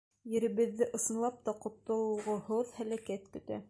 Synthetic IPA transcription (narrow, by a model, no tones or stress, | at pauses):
jɘ̆ɾɘ̆βɘ̆ðːɘʔɤ̆sɤ̆nlˠɑp̚t̪ɑqŏt̪ːŏlˠɤ̆lʁɤhoðhælækæt̪kɵ̆t̪æ̰